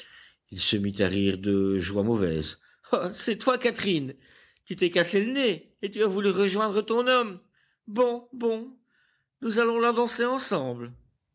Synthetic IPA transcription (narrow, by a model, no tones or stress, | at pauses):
ilsəmit̪aʁiːʁd̪əʒwamɔvɛ̰z | asɛt̪wakat̪χin | kyt̪ɛkasɛləneː | t̪yavulyʁəʒwɛ̃d̪ʁət̪ɔ̃nɔm | bɔ̃bɔ̃ | nuzalɔ̃lad̪ɑ̃seɑ̃sɑ̃ːbl